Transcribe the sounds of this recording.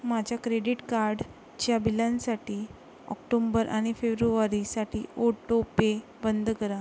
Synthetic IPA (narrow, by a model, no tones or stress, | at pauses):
mad͡ʑʱjakɾeɽiʈkaɾɖ | t͡ɕjabilãnsaʈiː | ɔ̰kʈombəɾʔaɽ̃ifebɾuʋaɾisaʈʰiːoʈopebənd̪ʱkəɾa